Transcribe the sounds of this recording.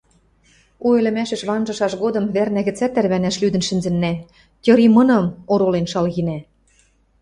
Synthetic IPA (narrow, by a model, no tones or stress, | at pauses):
uelɘ̆mæʃɘ̆ʃβɑnʒɤ̆ʃɑʃɣod̪ɤ̆mβærnæɣɘ̆t͡sæt̪ːærβænæʃlyd̪ɘ̆nʃɘ̆nzɘ̆nːæ | tʲɤ̆ɾimɤ̆nɤ̆moɾolenʃɑlɣinæ